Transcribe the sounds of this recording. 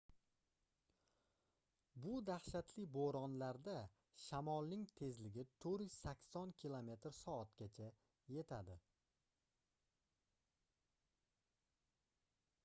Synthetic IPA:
bʊd̪aχʃat̪ʰlɪboɾɒnlaɾd̪a | ʃamɒlˠnɪŋt̪ʰe̞zlɪɡʲɪt̪ʰɵɾjʏz̥sakʲsɒnkʲʰilˠome̞t̪ɾsɒat̪ɡʲat͡ʃʰa | je̞t̪ʰad̪ɪ

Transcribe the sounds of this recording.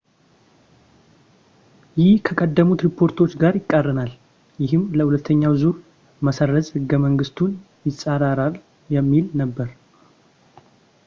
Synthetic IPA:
jɪhkʰəkʼəd̪ːəmut̪ɾipʰo̞ɾt̪ʰo̞t͡ʃːɡaɾjɪkʼːərːɨnal | jɪɦɨmləhulət̪ʰːəɲːawzuɾ | məsərːəzʼhɨɡːəməŋɡɨst̪ʰun | jɪsʼaɾaɾal | jɛmːilnəbːəɾ

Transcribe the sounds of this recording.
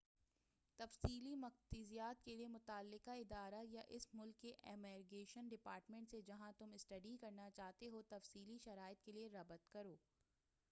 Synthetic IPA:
t̪ɐfsiːlimɐq̚t̪izijaːt̪̚keliemʊt̪aːlːɪqaɪd̪aːɾajaʔɪsmʊlkːeʔɛmɛːɾɡeːʃənɖɪpaːɾʈmẽɳʈsed͡ʒɐɦãt̪ʊmɪsʈɐɖikɐɾnat͡ʃaːɦt̪eɦot̪ɐfsiːliʃɐɾaːɪt̪̚kelieɾɐbət̪kɐɾoː

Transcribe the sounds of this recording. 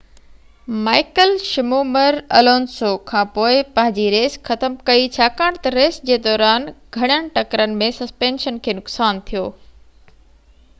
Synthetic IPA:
maːɪkəlʃɪmoːməɾɐloːnsokʰãːpoːɪpɐ̃ɦɪ̃ɲd͡ʑiɾeːsxɐt̪əmkɐit͡ɕʰaːkaːɽ̃t̪ɐɾeːsd͡ʑeːd̪ɔːɾaːnɡʱɐɽ̃jəɽ̃ʈɐkɾənɪ̆mẽsɐspẽːnʃənkʰeːnʊksaːnt̪ʰijoː

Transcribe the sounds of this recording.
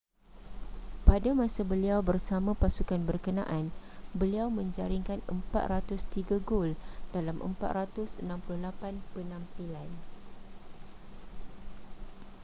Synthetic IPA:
padamãsabəliawbərsamãpasukanbərkənã̰ʔanbəliawmə̃ɲd͡ʒaɾiŋkanəmpa̰t̪̚rat̪ʊst̪iɡaɡoldalamʔə̰mpat̪̚rat̪ʊsənãmpulʊhlapanpənãmpilan

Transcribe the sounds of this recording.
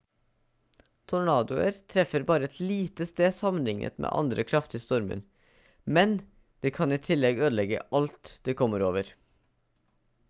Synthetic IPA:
t̪ʰʊɳɑːd̪ʊəɾt̪ʰɾɛfəɾbɑːɾəɛt̪ʰliːt̪əst̪eːsɑmənlɪŋə̰t̪mʔḛːʔɑ̰nd̪ɾəkʰɾɑft̪iːst̪ɔɾmə̰n | mɛn | d̪̥eːkʰɑniːt̪ʰɪlɛɡøːd̪lɛɡə̰ɑlt̪d̪̥eːkʰɔməɾoːʋəɾ

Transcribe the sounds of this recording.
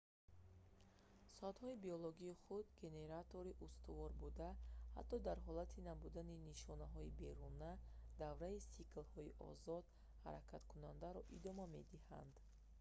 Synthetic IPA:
sɔat̪hɔibioloɡiːχud̪ɡe̞ne̞ɾat̪o̞ɾiʔust̪uvɔɾbud̪aha̰t̪ʰːɔd̪aɾɦɔlat̪ʰinabud̪aniniʃɔnaɦɔibe̞ɾunad̪avɾaisiklhɔiʔɔ̰zɔd̪ | ha̰ɾakʰat̪kʰunand̪aɾɔʔid̪ɔmame̞d̪iha̰nd̪

